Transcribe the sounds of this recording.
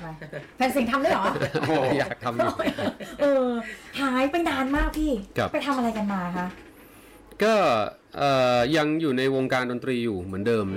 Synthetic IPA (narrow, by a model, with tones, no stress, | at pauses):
pʰɛː˧ns̬i˨˩ŋt̪ʰa˧mlɯ˥˩jʔɔː˨˩˦ma˥˩jaː˨˩k̚t̪ʰa˧mju˩ʔɤː˧haː˩˦jpe˧ndaː˧nmaː˥˩k̚t̪ʰiː˥˩kʰa˦˩pa˧jt̪ʰa˧mʔa˧ɾa˧jka˧nmaː˧kʰa˦˥ʔ | kɔː˥˩ | ʔɤː˨˩ja˧ŋjuː˨˩na˧jwoː˧ŋkaː˧ndo˧nt̪ɾiː˧juː˨˩mɯ˩˦əndɤː˧m